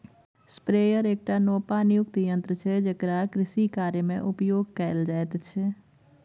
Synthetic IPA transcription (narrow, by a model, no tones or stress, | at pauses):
spɾeːjəɾeːk̚ʈanoːpanijʊkt̪jə̃nt̪ɾət͡ʃʰed͡ʒekɾakɾɪʃikaːɾjəmḛ̃ʔʊpjoːɡkəeld͡ʒaːet̪t͡ʃʰe